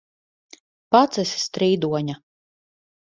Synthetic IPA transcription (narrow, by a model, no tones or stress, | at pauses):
pat̪sɛsst̪ɾiːd̪uɔɲa